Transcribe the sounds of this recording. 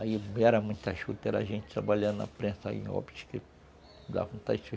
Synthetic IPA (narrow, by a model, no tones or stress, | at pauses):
aimɛɾɐmũj̃t̪ɐʃut̪ɛɾaʒẽnt͡ʃɪ̥t̪ɾabaʎãɐ̰pɾẽsɐḭ̃ɔ̰bit͡ʃi̥ke | d̪a̰vũt̪at͡ʃi